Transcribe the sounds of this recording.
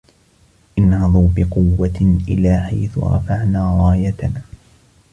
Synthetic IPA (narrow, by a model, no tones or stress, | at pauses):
ʔɪnhɑðˤuːbɪqʊwːaʔɪlaːħajθʊ̰ɾˤɑ̰faʕnaːɾˤɑːjat̪anː